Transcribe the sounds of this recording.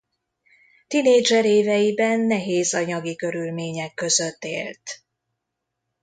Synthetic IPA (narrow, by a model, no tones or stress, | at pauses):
t̪ineːd͡ʒɛɾeːvɛjibɛnːɛɦeːzɒɲɒɡikø̞ɾylmeːɲɛkːø̞zøt̪ːḛːlt̪